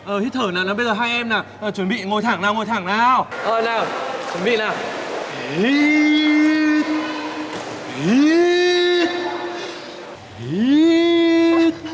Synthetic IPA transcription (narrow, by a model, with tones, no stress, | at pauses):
ʔəː˨˩hi˦˥t̚t̪ʰəː˧˩naː˨˩naː˨˦ɓə˧jzəː˨˩ɦaː˧jʔɛ˧mnaː˨˩ʔəː˨˩t͡ɕwə˨˩˦nɓḭ˧˨ŋo˧jt̪ʰaː˧˩ŋnaː˨˩wŋo˧jt̪ʰaː˧˩ŋnaː˨˩wʔəː˨˩naː˨˩wt͡ɕwə˨˧˦nɓḭ˧˨naː˨˩w | i˦ | i˦ | i˨˦